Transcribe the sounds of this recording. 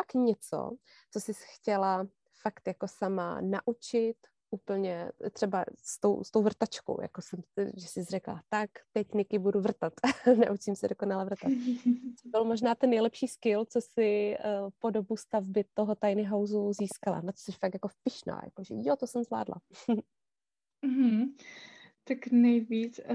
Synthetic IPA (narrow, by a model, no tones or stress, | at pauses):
pakɲɛt͡so̰ | t͡sosɪsxcɛla | fakt̪jako̞sama̰naʔut͡ʃɪt̪ | ʔuːpl̩ɲɛt̪r̝̥ɛba̰st̪owst̪owvr̩t̪at͡ʃko̰wja̰kosɛmʒɛsɪzrɛkla̰t̪akt̪ɛcnɪkɪbuduvr̩t̪at̪nɛ̰ʔut͡ʃɪmsɛdoko̞nalɛvr̩t̪at̪̚t͡sobɪlmo̞ʒnaːt̪ɛnːɛjlɛpʃiːskɪlt͡sosɪpo̞do̞bust̪avbɪt̪oɦot̪ajnɪɦawzuziːskala̰nat͡so̥sɛʃfak̚jakofpɪʃna̰ːja̰koʒɛ̰jot̪osɛmzvla̰ːdla̰ | m̩ɦ̩ | t̪aknɛjviːt͡s